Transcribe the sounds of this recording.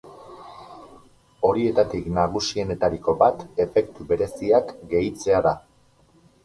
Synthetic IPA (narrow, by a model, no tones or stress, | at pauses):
o̞ɾie̞t̪at̪iknaɣ̞usie̞ne̞t̪aɾiko̞bat̪e̞fe̞kt̪uβe̞ɾe̞siakɡe̞jt͡se̞aða